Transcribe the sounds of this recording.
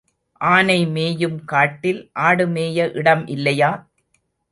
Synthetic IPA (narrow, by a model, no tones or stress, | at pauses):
ʔaːnɐɪmeːjɯmkaːʈːɪlʔaːɽɯmeːjɐʔɪɽɐmʔɪlːɐjaː